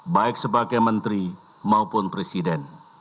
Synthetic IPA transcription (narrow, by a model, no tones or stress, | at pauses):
baɪk̚səbaɡajmənt̪ɾi | maupʊnpɾesidɛn